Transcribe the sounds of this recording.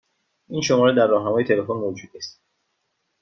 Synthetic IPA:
ʔiːnʃo̞mɒːɾed̪æɾːɒːhɦæmɒːje̞t̪ʰelefonmod͡ʒuːd̪est̪

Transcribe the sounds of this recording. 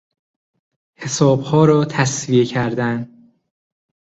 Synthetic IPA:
he̞sɒːb̥hɒːɾɒːt̪ʰæsviecʰæɾd̪æn

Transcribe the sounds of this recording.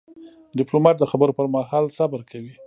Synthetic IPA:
ɖɪplomɑʈ̚d̪əxabəɾopəɾmahɑlsabəɾkʰawi

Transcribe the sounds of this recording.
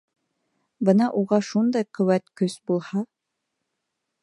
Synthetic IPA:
bɤnɑʔuʁɑʃund̪ɑjqɵ̆wæt̪kɵsbulˠhɑ

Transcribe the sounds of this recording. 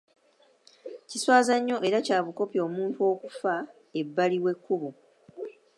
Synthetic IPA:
ciswaːzaɲːo̞ʔe̞ɾacaːβuko̞pio̞ːmuːntuo̞ːku̥fa | ebːaliwe̞kːuβu

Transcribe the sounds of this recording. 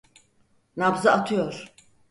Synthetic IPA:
nabzaat̪ʰujɔɾ

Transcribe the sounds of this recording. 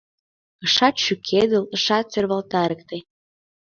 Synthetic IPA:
əʃɑt̪ʃykʰed̪ə̆lə̆ʃɑt̪̚t͡serβɑlt̪ɑɾək̚t̪e

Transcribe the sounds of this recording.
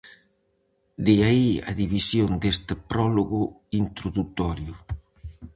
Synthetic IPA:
d̪iaia̰ðiβisjond̪est̪ɪpɾɔloɣʊint̪ɾoðut̪ɔɾjʊ

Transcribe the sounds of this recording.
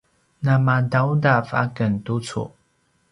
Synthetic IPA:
namadawdafa̰kəntut͡sṵ

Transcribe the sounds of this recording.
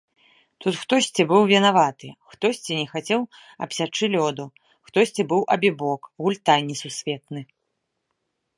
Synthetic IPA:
t̪ut̪xt̪ɔsʲt͡sʲibɨwvʲɛnavat̪ɨxt̪ɔsʲt͡sʲinʲɛxat͡sʲɛw | ɐ̰psʲat͡ʂɨlʲɔd̪u | xt̪ɔsʲt͡sʲibɨwʔɐ̰bʲibɔkɣulʲt̪anʲisusʲvʲɛt̪nɨ

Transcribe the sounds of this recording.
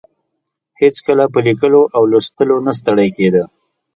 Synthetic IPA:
het͡skəlap̬əlikəloʔawləst̪əlonas̬t̪əɽajked̪ə

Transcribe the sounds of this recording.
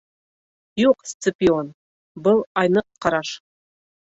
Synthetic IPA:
juqst̪sɨpʲion | bʊlˠɑjnɤqːɑɾɑʃ

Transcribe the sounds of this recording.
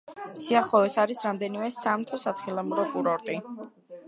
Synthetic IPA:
siaχɔɛsaɾisɾamd̪ɛnimɛsamt̪ʰɔsat̪χilˠamuɾɔkʼuɾɔɾt̪ʼi

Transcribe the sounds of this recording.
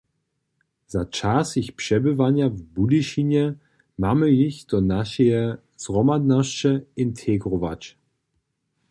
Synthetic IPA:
z̥at͡ʃasɪçpʂɛbəvanjavbudiʃinjɛ | maməjɪçdɔnaʃɛɛ | z̥ʁɔmad̪naʃt͡ʃəɪntʰeɡʁɔva̰t͡ʃ

